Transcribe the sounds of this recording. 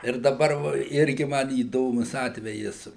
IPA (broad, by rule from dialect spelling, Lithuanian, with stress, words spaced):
ɪr dɐˈbɐr ʋɐ ˈɪrʲɡʲɪ ˈmɐn iːˈdoːmʊs ˈɑːtʲʋʲɛjɪs